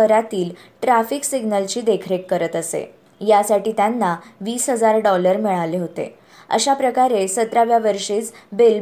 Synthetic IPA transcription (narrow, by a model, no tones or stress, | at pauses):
əɾat̪iːl | ʈɾafiksiɡnəlt͡ɕiːd̪ekʰɾekːəɾət̪əsḛ | jasaʈiːt̪janːaʋiːsɦəd͡zaɾɖɔləɾmiɭaleɦot̪ḛ | ə̰ɕapɾəkaɾesət̪ɾaʋjaʋəɾʂiːt͡sbel